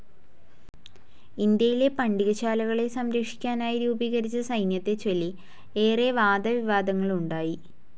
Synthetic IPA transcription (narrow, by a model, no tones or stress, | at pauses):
ind̪jɐjile̞pɐɳɖiɣɐɕaːlɐɣɐɭe̞sɐmɾɐkʂi̥kʲːaːnaːjiɾuːbiːɣɐɾit͡ɕːɐsɐjnjɐt̪ːe̞t͡ɕolːi | eːreʋaːd̪ɐʋiʋaːd̪ɐŋːɐɭuɳɖaːji